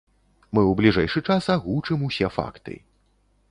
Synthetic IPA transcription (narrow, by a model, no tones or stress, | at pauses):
mɨwblʲiʐɛjʂɨt͡ʂasaɣut͡ʂɨmusʲɛfa̰kt̪ɨ̰